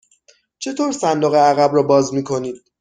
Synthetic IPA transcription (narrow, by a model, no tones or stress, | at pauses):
t͡ʃʰe̞t̪ʰoːɾsænd̪oɣeæɣæbɾɒːbɒːzmiːkʰo̞niːd̪̥̚